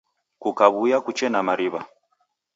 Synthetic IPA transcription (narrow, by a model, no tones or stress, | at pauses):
kukaβujakut͡ʃɛnamaɾiβa